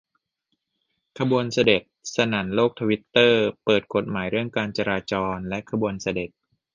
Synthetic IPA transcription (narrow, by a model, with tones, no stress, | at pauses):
kʰa˧bu˧ənsa˧de˨˩t̪̚sa˧na˩˦nloː˥˩k̚t̪ʰa˧wi˦˥t̪ːɤː˥˩pɤː˨˩t̪̚kʰo˨˩t̪̚maː˩˦jɾɯ˥˩əŋkaː˧nt͡ɕa˧ɾaː˧t͡ɕɔː˧nlɛ˦˥kʰa˧bu˧ənsa˧de˨˩t̪̚